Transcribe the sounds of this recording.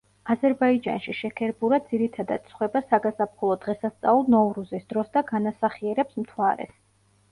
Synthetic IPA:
azɛɾbaid͡ʒa̰nʃiʃɛkʰɛɾbuɾad̪z̥iɾit̪ʰad̪a̰t̪̚t̪sʰχwɛbasaɡasap̚ʰχɔlˠɔd̪ʁɛsast̪sʼa̰ulˠnɔuɾuzisd̪ɾɔsd̪aɡanasaχiɛɾɛpsmt̪ʰwaɾɛ̰s

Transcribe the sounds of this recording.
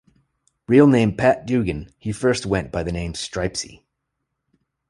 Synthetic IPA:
ɹilˠnẽɪ̃mpʰæt̚d̥ʉɡɨ̃nhifɜ˞st̚wɛ̃nb̥aɪðɨnẽɪ̃mstɹ̥aɪpsḭ

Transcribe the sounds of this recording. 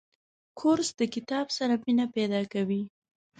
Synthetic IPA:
kʰʊɾsd̪̥əkɪt̪ɑbsaɾaminapɛd̪ɑkawi

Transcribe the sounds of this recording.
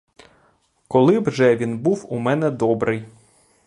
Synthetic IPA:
kɔlˠɪwʒɛʋʲinbuwumɛnɛd̪ɔbɾʔɪj

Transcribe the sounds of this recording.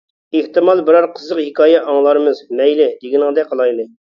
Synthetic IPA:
eht̪ɨmɑlˠbɪɾɑɾqʰəzəqhɪkʰɑːjɛʔɑŋlˠɑɾɨmɨzmɛjlɪd̪eɡʲinəŋd̪ɛqʰəlˠɑjlˠɨ

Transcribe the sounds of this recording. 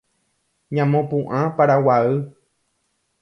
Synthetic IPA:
ɲãmõpũʔãpaɾawaɨ

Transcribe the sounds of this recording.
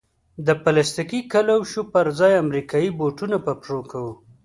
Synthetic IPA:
d̪əpalast̪ikikalawʃupəɾzɑjamɾikɑjiboʈunapapɾokawu

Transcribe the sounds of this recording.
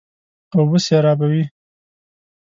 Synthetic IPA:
awwəsjeɾɑbawi

